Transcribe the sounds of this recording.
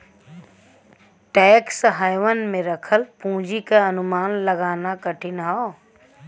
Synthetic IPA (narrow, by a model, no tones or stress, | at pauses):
ʈɛːksɦaːjʋənmẽɾɐkʰəlpũːd͡ʒikaɐnʊmaːnlɐɡaːnakɐʈʰɪnɦa